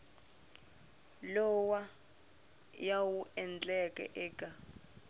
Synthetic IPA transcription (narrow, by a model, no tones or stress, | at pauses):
lɔwa | jawuʔɛnd͡ɮʼɛkʼɛ̰ʔɛːkʼa